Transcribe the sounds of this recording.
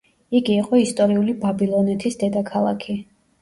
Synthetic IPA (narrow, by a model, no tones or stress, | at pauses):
iɡiːqʼɔist̪ʼɔɾiulibabilˠɔnɛt̪ʰisd̪ɛd̪akʰalˠa̰kʰi